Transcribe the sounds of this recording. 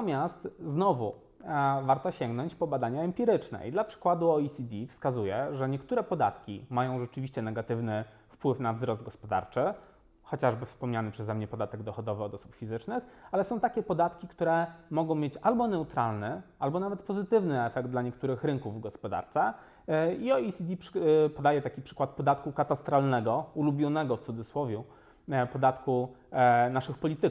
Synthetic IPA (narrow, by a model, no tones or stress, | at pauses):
mʲjast̪znɔvṵ | vaɾt̪ɔɕɛŋɡnɔɲt͡ɕpɔbad̪aɲaɛmpʲiɾɘt͡ʂnɛ̰ḭd̪lapʂɘ̥kwad̪uɔisʲid̪ʲifskazujɛʐɛɲɛkt̪uɾɛpɔd̪a̰t̪kʲḭmajɔ̃w̃ʐɛt͡ʂɘvʲiɕt͡ɕɛnɛɡat̪ɘvnɘ | fpwɘfnavzɾɔsd̪̚ɡɔspɔd̪a̰ɾt͡ʂɘ | xɔt͡ɕaʐbɘfspɔmɲanɘpʂɛzɛmɲɛpɔd̪at̪ɛɡd̪ɔxɔd̪ɔvɘɔd̪ɔsupfʲizɘt͡ʂnɘxalɛsɔ̃w̃t̪akʲɛpɔd̪at̪kʲikt̪uɾɛmɔɡɔ̃w̃mʲjet͡ɕalbɔnɛut̪ɾalnɛalbɔnavɛt̪pɔzɘt̪ɘvnɘɛfɛɡd̪d̪laɲɛkt̪uɾɘxɾɘŋkuvɡɔspɔd̪a̰ɾt̪sɛ | iɔisʲid̪ʲiʂpɔd̪ajɛt̪akʲipʂɘ̥kwat̪̚pɔd̪at̪kukat̪ast̪ɾalnɛɡɔulubʲjɔnɛɡɔft̪sud̪zɘswɔvʲju | pɔd̪at̪ku | naʂɘxpɔlʲit̪ɘ